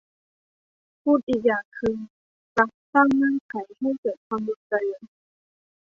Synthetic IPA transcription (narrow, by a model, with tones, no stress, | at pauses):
pʰuː˥˩t̪̚ʔi˨˩jaː˨˩kʰɯ˧ŋ | ta˨˩k̚t̪a˥˩ŋnaː˥˩˨ŋkʰa˩˦jha˥˩jkɤː˨˩t̪̚kʰwaː˧mbu˧˩˦nka˧lɯː˩˦n